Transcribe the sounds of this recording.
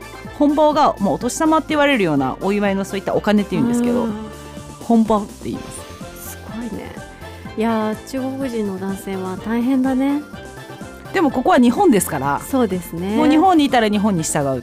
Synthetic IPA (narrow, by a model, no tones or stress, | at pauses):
hõ̞mboːɡamoːt̪o̞ɕi̥samat̪ːe̞iβaɾe̞ɾɯ̟jo̞ːna̰ʔoiβaino̞so̞ːit̪ːa̰ʔo̞kane̞t̪ːejɯ̟̃nd̪esɨke̞d̪o̞̰ | hõ̞mboːt̪ːe̞ḭ̃nd̪essɨ̥ɡ̥oinḛ | jat͡ɕɨːɡokɯ̟ʑĩnːod̪ãɰ̃se̞ːβat̪aiɦẽ̞nd̪ane̞ | d̪̥e̞mo̞ko̞ko̞βaɲ̟iɦõnd̪e̞sɨ̥kaɾaso̞ːd̪e̞sɨnemoːɲ̟iɦõ̞ɲ̟ːiːt̪aɾaɲ̟iɦõ̞ɲ̟ːiɕi̥t̪aɡaɯ̟